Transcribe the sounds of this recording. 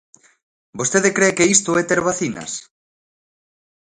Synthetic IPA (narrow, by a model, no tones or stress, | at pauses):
bost̪eðɪkɾekeist̪ʊɛt̪eɾβaθinɐ̰s